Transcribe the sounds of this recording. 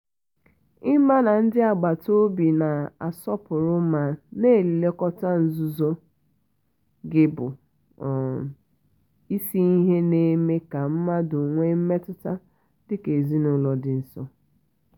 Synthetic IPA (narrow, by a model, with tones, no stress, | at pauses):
ɪ˦ma˦na˨n̩˦dɪ˦a˨ɡ͡ba˨to˦bi˨na˨a̰˨sɔ˦pʊ˨ɾʊ˦ma˨ne˦˨li˨le˦kɔ˦ta˦n̩˨zu˦zo˦ | ɡɪ˦bʊ̰˨ | i˦si˦i˦ɦe˦ne˦me˦ka˨m̩˦ma˦dʊ˨ŋʷe˦m̩˦me˦tʊ˦ta˦ | dɪ˦ke˨zi˦nʊ˨˦lɔ˨dɪ˨n̩˨sɔ˦